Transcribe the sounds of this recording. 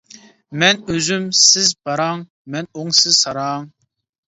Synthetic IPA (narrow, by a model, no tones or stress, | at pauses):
mɛnøzymsɪzbɑɾɑŋ | mɛnoŋsɪzsɑɾɑŋ